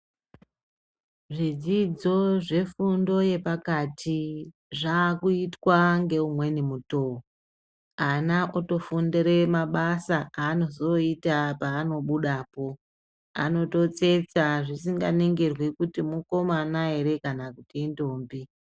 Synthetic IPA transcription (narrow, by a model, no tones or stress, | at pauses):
ʐid͡zid͡zo̞ʐe̞fundo̞je̞pakatʰi | ʐaːkuitwaŋɡe̞umwe̞nimuto̞o | anaʔoto̞fundeɾemaɓasaaːno̞zo̞itapaːno̞ɓuɗaːpo̞ | a̰no̞to̞t͡se̞t͡saʐisiŋɡa̰neŋɡerwikutimuko̞manae̞ɾe̞kanakutiendoːmbi